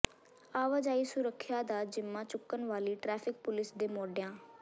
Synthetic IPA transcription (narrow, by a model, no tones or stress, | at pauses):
aːʋaːd͡ʒaːiːsʊɾəkʰːjaːd̪aːd͡ʒɪmːãːt͡ʃʊkːənʋaːliːʈɾɛːpʰɪk̚pʊlɪsd̪eːmoːɖjãː